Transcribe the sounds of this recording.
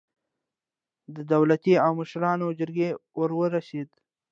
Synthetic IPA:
d̪əd̪awlat̪iawməʃɾɑnod͡ʒɪɾɡewəɾwəɾased̪

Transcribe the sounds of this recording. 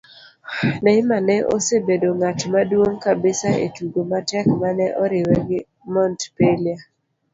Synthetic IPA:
nɛɪmanɛʔo̰sebedoŋatmadwoŋkabɪsaḛtuɡomatɛkmanɛʔɔɾɪwɛɡɪ | mɔntpelia

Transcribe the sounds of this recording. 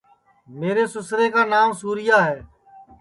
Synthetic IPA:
meːɾeːsʊsɾeːkaːnaːmsuːɾɪjaːɦɛː

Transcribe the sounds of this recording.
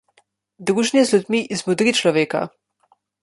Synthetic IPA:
d̪ɾuːʒnjɛzlʲud̪miʔizmɔd̪ɾit͡ʃlɔʋeːka̰

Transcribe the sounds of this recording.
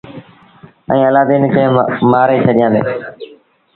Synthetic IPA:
ə̰̃ːəlaːd̪eːnɪkə̃ɦmaːɾeːt͡ʃʰəɗɪjãːd̪ḛː

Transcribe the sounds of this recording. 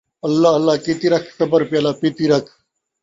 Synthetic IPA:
ɐlːaːɐlːaːkit̪iɾɐkʰsɐbɐɾpjaːlaːpit̪iɾɐkʰ

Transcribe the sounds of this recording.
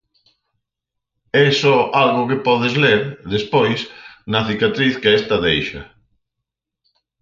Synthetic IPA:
ɛsɔʔalɣʊkɪpɔðɪzleɾðespojsnɐθikat̪ɾiθkɪɛst̪ɐðejʃɐ̰

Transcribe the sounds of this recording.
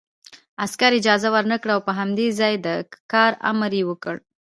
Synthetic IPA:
askaɾɪd͡ʒɑzawəɾnakɽaawpəɦamd̪ezɑjd̪əkɑɾa̰mɾjewəkəɽ

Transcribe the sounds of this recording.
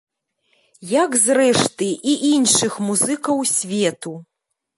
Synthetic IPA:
jɐkzrɛʂt̪ɨʔiʔinʂɨxmuzɨkɐwsʲvʲɛt̪u

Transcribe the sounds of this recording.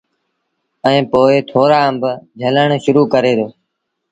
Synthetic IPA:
ɛ̃ːpoːɪt̪ʰoːɾaːəmbd͡ʒʱələɳʃʊɾuːkəɾeːd̪oː

